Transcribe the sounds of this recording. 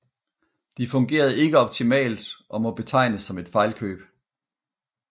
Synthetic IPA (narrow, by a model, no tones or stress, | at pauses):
d̥ifɔ̽ŋɡ̥e̝̰ːɐð̞̩ˠe̝ɡ̥əɒ̽b̥̚t͡sʰimɛ̰ːld̥ʔɒ̽mɒ̽b̥e̝t͡sʰɑ̈ɪ̰nəsːɒ̽me̝d̥fɑ̈ɪlkʰø̰ːb̥